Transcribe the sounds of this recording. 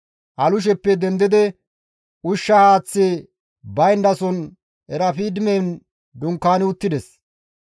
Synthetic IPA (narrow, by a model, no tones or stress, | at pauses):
ʔɐlʊʃ̬ɛpːɛd̪ɛnd̪ɪd̪ɛ | ʔʊʃːɐhaːt͡sːe | bɐjnd̪ɐsɔn | ɛɾɐfiːd̪ɪmɛn | d̪ʊŋkːaːnɪʊt̪ːɪd̪ɛs